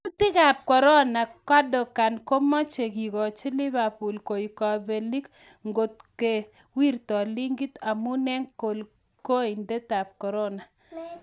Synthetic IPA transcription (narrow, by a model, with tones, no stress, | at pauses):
ku˦tɪ˦ka˨p̚kɔ˨ɾɔ˦na˨ka˦dɔ˨ka˨nkɔ˦mɔ˦t͡ʃe˨ki˨kɔ˨t͡ʃi˦lɪ˦ba˨pu˨lko˨i˨ka˨be˨li˦k | ŋɡo˨t̚ke˨ | wi˦rtɔ˨li˦ŋɡi˦ta˨mu˦nɛ˦ŋko˨l | ko˦i˨nde˦ta˨p̚kɔ˨ɾɔ˦na˨